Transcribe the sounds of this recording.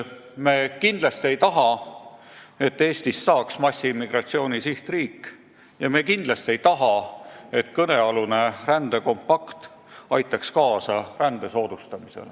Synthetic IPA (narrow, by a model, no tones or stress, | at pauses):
me̞ːkind̪̥lɑst̪ie̞jt̪ɑɦɑ | e̞t̪ːe̞ːst̪isːɑːksmɑsʲːimːiɡ̥rɑt̪sio̞ːnisiht̪riːkː | jɑme̞ːkind̪lɑst̪ie̞jt̪ɑɦɑe̞t̪kɤne̞ɑlune̞rænd̪̥eko̞mpːɑkt̪ | ɑjt̪ːˑɑkskɑːsɑrænd̪̥e̞so̞ːd̪̥ust̪ɑmisḛl